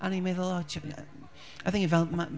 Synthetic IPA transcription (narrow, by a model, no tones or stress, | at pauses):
ʔə̃nimeɪðəlɔt͡ʃ | aɪθɪŋkɪvɛlˠma